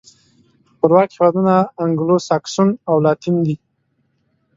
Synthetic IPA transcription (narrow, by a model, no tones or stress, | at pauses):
pəɾwɑkhewɑd̪unaːŋɡlosaksunawlɑt̪ind̪i